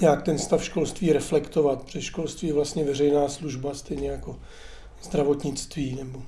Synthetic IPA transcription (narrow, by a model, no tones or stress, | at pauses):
ɲaːk̚t̪ɛnst̪afʃko̞lst̪viːɾɛflɛkt̪o̞vat̪br̥ɛʃko̞lst̪viːɛvlast̪ɲɛvɛrɛjnaːsluʒbast̪ɛjɲɛjako̞ | z̥d̪ɾavo̞t̪ɲɪt͡st̪viːnɛbo